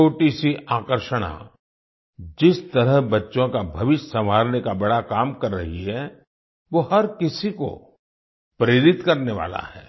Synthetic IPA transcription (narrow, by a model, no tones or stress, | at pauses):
oːʈisiʔaːkəɾʃəɽ̃a̰ | d͡ʒɪst̪ɐɾəɦbɐtːʃõkabʱɐʋɪʃsɐmɦaːɾnekabɐɽakaːmkɐɾːɐɦiɦɛ | ʋohɐɾkɪsiko̰ | pɾeːɾɪt̪kɐɾneʋa̰ːla̰ɛ̰ː